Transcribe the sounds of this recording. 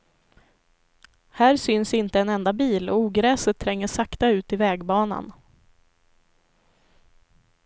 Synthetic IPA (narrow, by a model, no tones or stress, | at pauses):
hæːɾsʏnsɪnt̪əɛnɛnd̪abiːlɔuːɡɾɛːsət̪ʰːɾɛŋːəʂakt̪aʉ̟ːt̪ɪvɛːɡbɑːna̰n